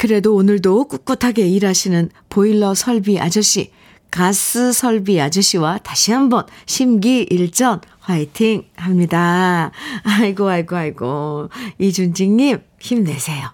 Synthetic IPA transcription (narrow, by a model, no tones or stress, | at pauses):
kɯɾe̞doːnɯɭdok͈uk̚k͈utʰaɡe̞iɾaɕʰinɯn | poiɭːʌsʰʌɭbiʔa̰d͡ʑʌɕ͈ʰḭ | kas͈ɯsʰʌɭbiad͡ʑʌɕ͈ʰiwataɕʰiɦambʌnɕʰimɡiʔiɭt͡ɕ͈ʌnhaitʰiŋhamɲida | aiɡoaɭɡoɦaɭɡo | id͡ʑund͡ʑiŋɲim | çimne̞sʰe̞jo